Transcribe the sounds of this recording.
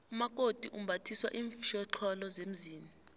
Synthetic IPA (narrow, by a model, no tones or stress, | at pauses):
umak̬ʼotʼiʔum̩bʱatʰiswa̰ʔiːɱfiʃɔǁʰɔlɔzem̩ziːni